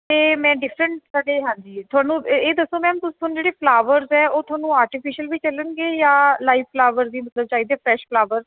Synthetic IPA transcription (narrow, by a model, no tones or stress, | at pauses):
t̪eːmɛ̃ːɖɪfʰɾə̃ɳʈsəɡeːɦãːnd͡ʒiːt̪ʰʊaːnũːeːd̪əsːõːmɛ̃ːəmt̪ʊst̪ʰoaːnũːd͡ʒeːɽeːpʰlaːʋəɾzɛːoːt̪ʰʊaːnũːaːɾʈɪpʰɪʃəlbiːt͡ʃələnɡeːjaːlaːifpʰlaːʋəɾzd̪iːmət̪ləb̚t͡ʃaːiːd̪eːpʰɾɛːʃpʰlaːʋəɾz